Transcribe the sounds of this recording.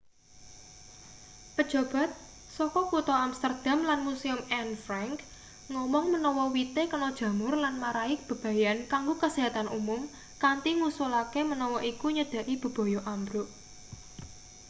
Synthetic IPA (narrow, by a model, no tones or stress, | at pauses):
pəd̥ʒ̥ɔ̤b̥a̤t̪̚ | sɔkɔkut̪ɔamst̪ərd̪̥a̤mlanmusiʊmɛnfɾaŋk | ŋɔmɔŋmənɔwɔwit̪ekənɔd̥ʒ̥ä̤mʊrlanmaɾaɪk̚b̥ə̤b̥ä̤jankaŋɡokasiɦat̪anʔumʊm | kant̪iŋusulakemənɔwɔʔikuɲəd̪̥ä̤ʔib̥ə̤b̥ɔ̤jɔʔambɾʊʔ